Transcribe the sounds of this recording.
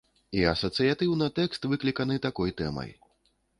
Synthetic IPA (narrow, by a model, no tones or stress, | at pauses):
iɐsɐt̪sɨjat̪ɨwnɨt̪ɛkst̪vɨklʲikɐnɨt̪akɔjt̪ɛ̰mɐ̰j